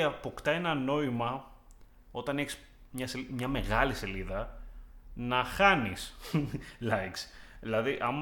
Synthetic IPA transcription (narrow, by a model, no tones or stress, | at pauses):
ɐpo̞kt̪ɐe̞nɐno̞imɐ | o̞t̪ɐne̞çis | mɲɐsemɲɐmeɣɐlise̞liðɐ | nɐxɐnis | lɐiksilɐðiʔɐm